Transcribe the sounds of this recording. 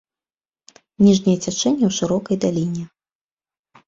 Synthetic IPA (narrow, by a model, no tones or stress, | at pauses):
nʲiʐnʲɛjɛt͡sʲat͡ʂɛnʲːɛwʂɨɾɔkɐjd̪alʲinʲɛ